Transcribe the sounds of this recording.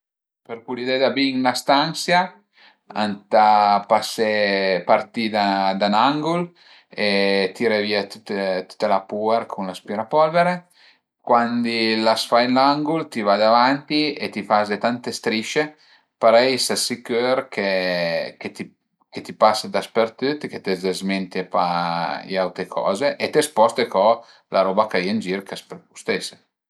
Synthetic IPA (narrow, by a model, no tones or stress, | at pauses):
peɾkulid̪ɛd̪abiŋlast̪ansja | a̰nt̪apasepaɾt̪id̪ad̪anaŋɡul | et̪iɾeviat̪ut̪et̪u̥t̪ːalapueɾkʰunlaspiɾapɔlveɾe | kwand̪ilasfajnlaŋɡult̪ivad̪avant̪iet̪ifazet̪ant̪est̪ɾiʃe | paɾɛjsasikøɾkʰeket̪i | ket̪ipasd̪aspert̪ut̪ːket̪ezezment̪iepaḭawt̪ɾekʰɔ̰ːzeʔet̪espɔst̪ekɔ | lʔaɾɔːbakajend͡ʒiɾkaspeɾpu̥st̪ese